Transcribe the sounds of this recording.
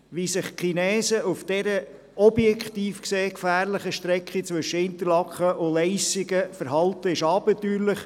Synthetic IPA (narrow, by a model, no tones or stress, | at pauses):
ʋisɪχχinɛːsəufd̥ɛɾə | ɔbjɛkχt̪iːfkseːkfæːɾləχəʃtɾɛkχit͡sʋɵʃəɪnt̪əlɑkχəʔʊlɛɪsɪɡəfəɾɦɑlt̪əɪʃɑːbətyːɾləχ